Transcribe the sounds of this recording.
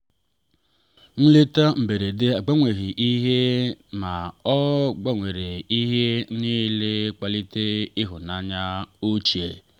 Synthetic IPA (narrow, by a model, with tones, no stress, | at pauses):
n̩˦li˦ta˦m̩˨be˨ɾe˨dɪ˦a˨ɡ͡ba˦ŋʷe˨ɣi˨ʔi˦ɦe˦ma˨ɔ˦ɡ͡ba˦ŋʷe˨ɾe˨i˦ɦe˦ni˦le˦k͡pa˦li˦te˦ɪ˦ɦʊ˨na˨ɲa˦u˦t͡ʃi˨ḛ˨